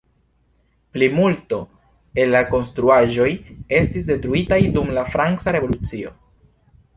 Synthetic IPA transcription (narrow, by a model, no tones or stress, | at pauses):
plimulto̞ | e̞lːako̞nstɾuaʒo̞je̞stis̬de̞tɾuitajdumlafɾaŋkt͡saɾe̞vo̞lut͡sio̞̰